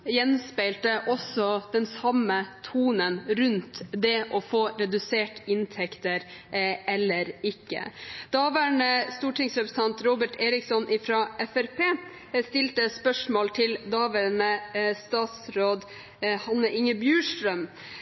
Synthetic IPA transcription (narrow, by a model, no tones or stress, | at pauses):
jɛnspæɪlt̪əʔɔsɔd̪̥ɛnsɑmət̪ʰuːnənɾʉnt̪d̪ɛʔɔfoːɾɛd̪ʉseːʈɪnt̪ʰɛkt̪əɾɛlːəɾɪkːə̰d̪̥ɑːʋæɳəst̪uːʈɪŋsɾɛpɾs̩t̪ʰɑnt̪ɾoːbəʈʰeːɾɪksɔnʔɪfɾɑʔɛfæɾpʰeː | st̪ɪlt̪əspœʂmoːlt̪ʰɪld̪ɑːʋæɳəst̪ɑːt̪sɾoːd̪ | hɑnəʔɪŋəbjʉːʂʈɾœm